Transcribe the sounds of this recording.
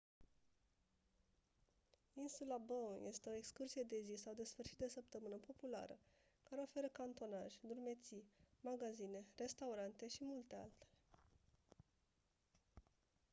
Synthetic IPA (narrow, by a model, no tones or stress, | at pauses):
insulabonje̞st̪e̞o̞ekskursije̞d̪e̞zisawd̪e̞sfɨrʃit̪̚d̪e̞səp̚t̪əmɨnəpo̞pula̰ɾə̰ | kaɾe̞o̞fe̞ɾəkant̪o̞naʒʲd̪urme̞t̪simaɡazine̞re̞st̪auɾant̪e̞ʃimult̪ea̰lt̪ele